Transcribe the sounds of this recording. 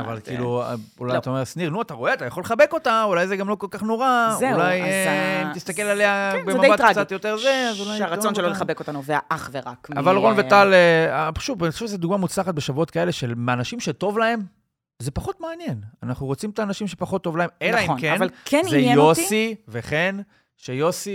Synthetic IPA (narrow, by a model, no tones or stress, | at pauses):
a̰va̰lkiluṵlajat̪aomeʁsniʁnuat̪aʁoeat̪ajaχo̞leχabe̞ko̞t̪aulajzeɡamlo̞ko̞lkaχno̞ʁaulajimt̪ist̪akelale̞abemadebatʁkɡt͡sat̪jo̞t̪eʁzeazulajaʁat͡sonʃeloleχabekot̪anovea̰ʔaχveʁa̰kma̰valʁo̞nvetaleabʃuvanixaʃuvʃezeduɡmamut͡slaχat̪̚beʃavuo̞t̚kae̞le̞ʃelmanaʃimʃeto̞vlae̞m | ze̞paχo̞t̪meːnje̞nanaχuʁot͡simtaːnaʃimʃepaχo̞t̪ːo̞vlaemelaimkenvalkenzeejo̞siveχen | ʃejo̞si